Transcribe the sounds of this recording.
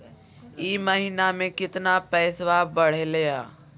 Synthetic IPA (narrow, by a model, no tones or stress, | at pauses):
iːmɐɦiːnamẽkɪt̪napɛːsʋabɐɽ̤elejaː